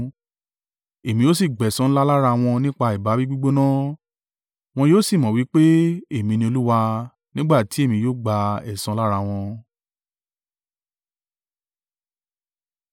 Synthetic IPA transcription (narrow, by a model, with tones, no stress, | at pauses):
e˨mĩ˧jo˦s̬i˦˨ɡ͡bɛ˨sã˧˦la˦la˦ɾa˧w̃ɔ̃˧nĩ˦k͡pa˧i˨ba˨˦bi˦ɡ͡bu˦ɡ͡bo˦nã˦ | w̃ɔ̃˧joː˦si˦˨mɔ̃˨wi˨˦k͡pe˦e˦˨mĩ˧nĩ˧o˧lu˦wa˧ | nĩ˦ɡ͡ba˦˨ti˨˦e˦˨mĩ˧joː˦ɡ͡ba˧ɛ̰˨sã˧˦la˦ɾa˧w̃ɔ̃˧